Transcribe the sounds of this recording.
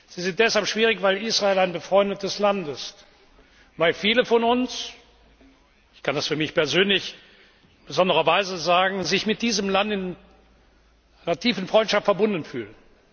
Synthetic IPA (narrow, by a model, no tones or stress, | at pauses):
z̥iːzɪnt̚d̥ɛshalpʃv̥iːʁ̞ɪçv̥aɪliːsʁaeːlaɪnbəfʁ̥ɔʏndət̚d̥ɛslantɪst | vaɪlfiːləfɔnʊns | ɪçkʰandasfyːɐmɪçpɛɐzøːnlɪç | b̥əzɔndəʁɐvaɪzəzaːɡŋ̩zɪçmɪt̚d̥iːzəmlantɪn | ʔaɪnɐtʰiːfn̩fʁ̥ɔʏntʃaftfɛɐbʊndn̩fy̰ːlən